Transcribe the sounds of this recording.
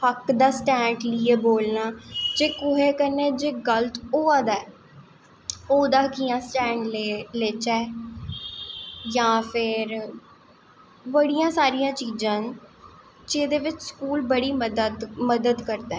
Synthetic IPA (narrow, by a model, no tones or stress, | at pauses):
həkd̪aːsʈɛ̃ːɳɖlɪeːboːlnaːd͡ʒeːkʊɦeːkəneːd͡ʒeːɡəlt̪ʰoːaːd̪aː | oːd̪aːkijãːsʈɛ̃ːɳɖleːleːt͡ʃɛː | jãːpʰɪɾ | ʋəɽijãːsaːɾijãːt͡ʃiːd͡ʒãːn | d͡ʒeːd̪eːʋɪt͡ʃskuːlbəɽiːməd̪d̪məd̪əd̪kəɾd̪aː